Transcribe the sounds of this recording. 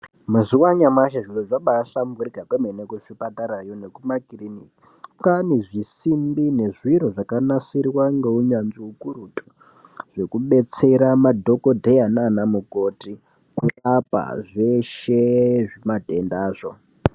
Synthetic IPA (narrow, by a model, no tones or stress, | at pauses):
muziwaɲamaʃaʐiloʐaɓasamukuriɡʱakemenekuʃipataɾajo̞nekumakiriniki | kaniʐisimbine̞ʐiɾoʐakanasirwaŋɡeuɲanziukuɾutʰʼu̥ | ʐ̥e̞kuɓe̞t͡se̞ɾamadʱo̞ko̞dʱejananamuko̞ti | kurapa̰ʐeʃeʐemadʱe̞ndaːʐo